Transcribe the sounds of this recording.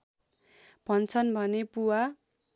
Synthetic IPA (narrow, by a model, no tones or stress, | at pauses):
b̥ʱʌnt͡sʰʌnbʱʌnepuwa